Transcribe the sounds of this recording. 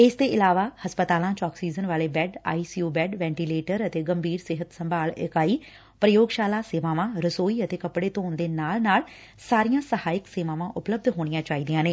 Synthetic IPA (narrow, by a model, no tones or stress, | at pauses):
ɪst̪eːɪlaːʋaːhəspət̪aːlãːt͡ʃɔːksiːzənʋaːleːbɛːɖa̰ːiːsiuːbɛːɖʋɛ̃ːɳʈiːleːʈəɾət̪eːɡəmbʱiːɾsɪɦət̪səmbʱaːlɪ̰kaːiː | pɾəjoːɡʃaːlaːseːʋãːʋãːɾəsoːiːət̪eːkəpɽeːt̪oːnd̪eːnaːlnaːl | saːɾijãːsəhaːɪkseːʋãːʋãːʔʊpləb̚d̪ɦoːɽ̃ɪjãːt͡ʃaːiːd̪ijãːneː